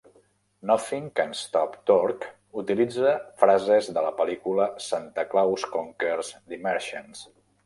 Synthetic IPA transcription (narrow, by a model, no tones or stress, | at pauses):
nɔθiŋkənst̪ɔpt̪ɔɾk | ut̪ilid͡zəfɾazezðələpəlikuləsant̪əklawskoŋkeɾzd̪imɛɾʃəns